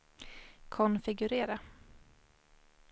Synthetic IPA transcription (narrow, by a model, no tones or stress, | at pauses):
kʰɔnfɪɡɵɾeːɾa